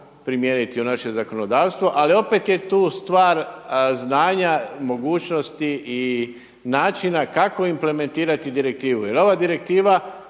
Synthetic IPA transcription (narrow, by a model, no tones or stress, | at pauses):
pɾimjeːnit̪iunaʃe̞zako̞no̞d̪aːwst̪ʋo̞ʔalio̞pe̞t̪je̞t̪uːst̪ʋaːɾznaːɲamo̞ɡuːt͡ʃno̞st̪iʔi | naːt͡ʃinakako̞imple̞me̞nt̪iːɾat̪id̪iɾe̞k̚t̪iːʋujelo̞ʋad̪iɾe̞k̚t̪iːʋa